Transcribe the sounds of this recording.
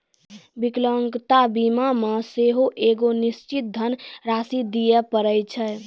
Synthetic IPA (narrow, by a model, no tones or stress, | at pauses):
bikləŋɡt̪abimameseɦoʔeɡonist͡ʃit̪̚d̪ʱənɾasid̪ijɛpəɾəjt͡ʃʰɛ